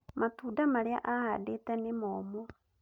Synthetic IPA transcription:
matuːdamaɾea̰ʔaha̰detɛnemɔmɔ

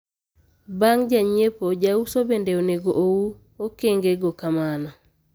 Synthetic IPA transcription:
baŋd͡ʒaɲepod͡ʒausobendeoneɡoʔowu | okeŋɡeɡokamanɔ

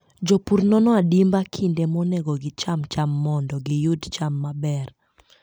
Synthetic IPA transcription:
d͡ʒɔpurnɔnɔadimbakʰindemɔneɡɔɡɪt͡ʃamt͡ʃamːɔndɔɡɪjʊdt͡ʃamːabɛr

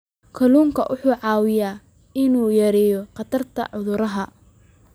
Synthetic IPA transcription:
kʰɐluːŋkʰɐʔʊħuːʕɑːwɪjaː | ɪnuːjɐɾɛːjɔqɑt̪ʰɐrt̪ʰɐ̰ʕʊðʊɾɐɦɐ

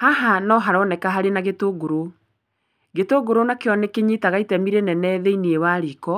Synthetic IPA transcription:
haɦanɔɦaɾɔnɛkaɦaɾenaɣetoɡoɾo | ɣetoɡoɾonakeɔnɛkeɲitaɣaitɛmiɾenɛnɛðeiniewaːɾikɔ

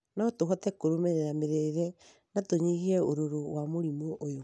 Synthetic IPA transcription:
naɔtoɦɔtɛkoɾomeɾeɾameɾɛiɾɛ | natoɲiɣiɛoɾoɾowamoɾimoʔːjo

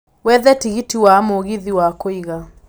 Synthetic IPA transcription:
wɛðɛtiɣitiwamoɣiðiwakoiɣa

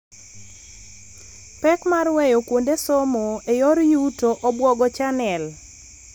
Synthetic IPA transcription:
pɛkmarwejokwondesomoejɔɾjutoʔɔbwɔɡɔt͡ʃanɛl

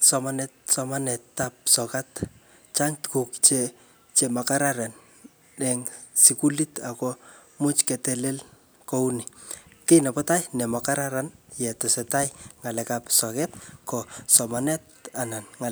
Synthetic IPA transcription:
sɔmanɛt̚sɔmanɛtːap̚sɔkat | t͡ʃaŋtkukt͡ʃe | t͡ʃemakaɾaɾan | ɛŋsikulitakɔ | mut͡ʃkɛtɛlel | kounikenapɔtajnɛmakaɾaɾanjɛtɔsɛtajŋalɛkapsɔkɛt̚kɔsɔmanɛt̚ | ananŋa

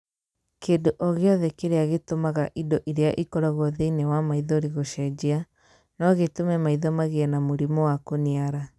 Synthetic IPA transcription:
kendoʔɔɣeɔðɛkeɾeaɣetomaɣaʔidɔʔiɾeaʔikɔɾaɣwɔðeinɛwamaiðɔɾiɣoʃɛd͡ʑea | nɔɣetomɛmaiðɔmaɣeɛnamoɾimɔwakoniaɾa

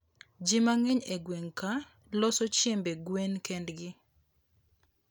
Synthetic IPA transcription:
d͡ʒɪmaŋɛɲeɡweŋka | lɔsɔt͡ʃjembeɡwenkɛndɡɪ

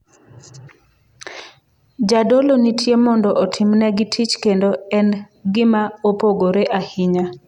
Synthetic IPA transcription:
d͡ʒadolonitʰjemɔndɔʔotʰimnɛɡɪtʰit͡ʃkendoɛn | ɡɪmaopoɡoɾeʔahɪɲa

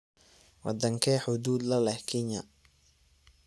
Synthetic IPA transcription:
wɑ̰d̪ɐŋkʰɛħʊd̪uːd̪lɐlɛhkʰɪɲɐ̰

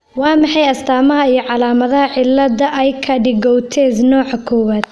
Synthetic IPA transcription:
wɑːmɑħɑjɐst̪ʰaːmɐɦɐijɞʕɑlaːmɐðɐɦɐʕɪlːɐdɐʔɛjkʰɐɖɪɡɔwt̪ʰɛːsnɔːʕkʰɔːwaːd̪̥̚

